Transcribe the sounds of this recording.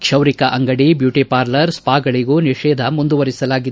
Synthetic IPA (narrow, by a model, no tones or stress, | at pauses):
kʂɐwɾikɐʔɐŋɡɐɽibjuːʈipaːɾlɐɾspaːɡɐɭiɡuniʂɛːd̪ʱɐmund̪uʋɐɾisɐlaːɡid̪